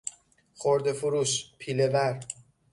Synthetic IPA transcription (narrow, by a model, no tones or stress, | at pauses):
χoɾd̪efuɾuːʃpʰiːlevæɾ